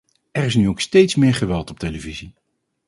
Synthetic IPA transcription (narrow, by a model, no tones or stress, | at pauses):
ɛɹɪsnyowkstejtsmɪːɹχəʋɛlˠtɔp̚tejləvizi